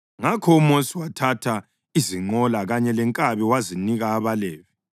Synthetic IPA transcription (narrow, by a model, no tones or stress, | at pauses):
ŋakʰɔumosiwatʰatʰa | iziŋ͡ǃɔlaɣaɲɛlɛŋkʼaβɛwaziniɣaːβalɛːvi